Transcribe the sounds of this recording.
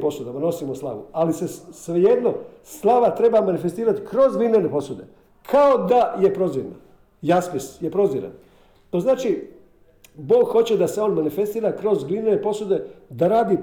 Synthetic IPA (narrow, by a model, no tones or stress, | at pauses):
posud̪amano̞simoslˠa̰ʋṵalisesʋeje̞d̪no̞ | slˠaʋat̪ɾe̞bamanifest̪iːɾat̪i̥kɾo̞zɡlinenepo̞sud̪e̞̰ | kʰaod̪aje̞pɾo̞ziʋna̰ | jaspisjepɾo̞ziɾa̰n | t̪o̞znaːt͡ʃi | bo̞ːɡxo̞t͡ɕe̞d̪ase̞o̞ːnmanife̞st̪iːɾakɾo̞zɡlinenepo̞sud̪e̞d̪aɾaːd̪i